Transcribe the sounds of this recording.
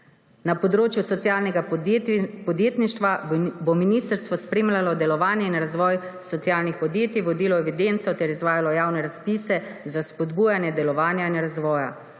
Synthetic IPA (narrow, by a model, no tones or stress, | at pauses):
napɔd̪ɾoːt͡ʃjusɔt̪sjaːlnɛɡa | pɔd̪jeːt̪niʃt̪ʋabominiːst̪əɾst̪ʋɔspɾeːmlʲalɔd̪ɛlɔʋaːnjɛinɾazʋɔːjsɔt̪sijaːlnixpɔd̪jeːt̪iʋɔd̪iːlɔɛʋid̪ent̪sɔt̪ɛɾizʋaːjalɔjaːwnɛɾaspiːsɛzaspɔd̪buːjanjɛd̪ɛlɔʋaːnjainɾazʋɔːja̰